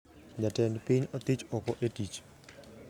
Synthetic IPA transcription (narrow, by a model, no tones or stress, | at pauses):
d͡ʒatɛnpiɲɔt̪it͡ʃɔkɔʔetit͡ʃ